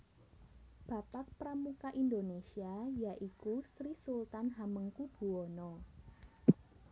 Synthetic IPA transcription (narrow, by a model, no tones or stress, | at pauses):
b̥ä̤pak̚pɾamukaʔind̪onesiajaʔikusɾisult̪anɦaməŋkub̥uonɔ